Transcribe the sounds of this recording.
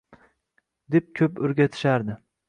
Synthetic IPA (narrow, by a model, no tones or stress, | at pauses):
d̪e̞p̚kʲʰɵpɵɾɡʲat̪ʰɪ̥ʃaɾd̪ɪ